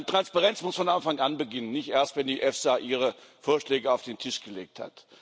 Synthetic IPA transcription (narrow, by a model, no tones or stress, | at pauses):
nətʁ̥anspaʁɛnt͡smʊsfɔnʔanfaŋanbəɡɪnənːɪçtʔeːɐstvɛndiːʔɛfsaʔiːʁ̞əfoːɐʃlɛːɡəaʊfd̥eːntʰɪʃɡ̥əleːk̚tha̰t